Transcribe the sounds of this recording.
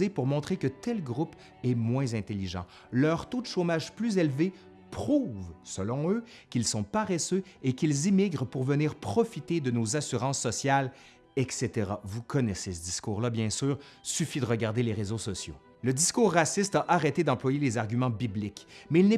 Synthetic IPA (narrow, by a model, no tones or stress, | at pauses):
epuʁmɔ̃t̪χekət̪ɛlɡʁup | ɛmwɛ̃zɛ̃t̪eliʒɑ̰̃ | lœʁt̪od̪əʃomaʒplyzelve | pχuːvsəlɔ̃ø | kʲilsɔ̃paʁɛsøekʲilzimiɡʁpuʁvəniːʁpχɔfit̪ed̪ənozasyʁɑ̃sːɔsjal | ɛkset̪eʁavukʰɔnɛsesəd̪iskuːʁlabjɛ̃syːʁsyfid̪əʁəɡaʁd̪eleʁezosɔsjo̰ | ləd̪iskuːʁːasist̪aʔaʁet̪ed̪ɑ̃plwajelezaʁɡʲymɑ̃biblikmɛilnɛ